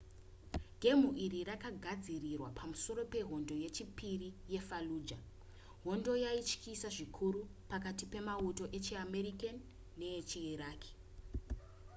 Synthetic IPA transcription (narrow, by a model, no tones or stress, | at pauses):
ɡʱe̞muʔirirakaɡʱad͡zirirwapʰamuso̞ɾo̞pe̞ɦo̞ndo̞je̞t͡ʃipirije̞faluːd͡ʒa | ɦo̞ndo̞jait͡ʃkisaʐikʰuɾupakatipe̞mauto̞ʔe̞t͡ʃiame̞ɾikanː | e̞et͡ʃiiɾaːkʰi̥